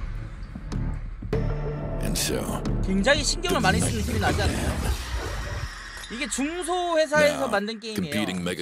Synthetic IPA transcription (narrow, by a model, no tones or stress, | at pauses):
ɨ̰̃nso̰ʊkwe̞ŋd͡ʑaŋiɕʰinɡjʌŋɯɭmaɲes͈ɯnɯnkʰiminad͡ʑianajo̰ | iɡe̞t͡ɕuŋsʰoɸwe̞s̬ʰae̞sʰʌmandɯnk͈eiŋkmipʰiɾɪ̃ŋmɛɡ